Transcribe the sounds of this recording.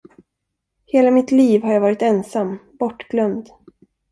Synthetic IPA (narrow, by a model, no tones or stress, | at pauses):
heːlamɪt̪liːvɦaɾjavɑːɾɪt̪ɛnsambɔʈɡ̥lœnd̪